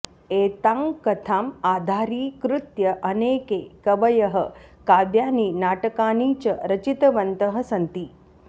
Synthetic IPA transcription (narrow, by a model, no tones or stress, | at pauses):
eːt̪aŋkɐt̪ʰaːmaːd̪ʱaːɾiːkɾut̪jɐʔɐneːkeːkɐʋɐjɐɦɐkaːʋjaːniːnaːʈɐkaːniːt͡ʃɐɾɐt͡ʃit̪ɐʋɐnt̪ɐɦɐ̆sɐnt̪i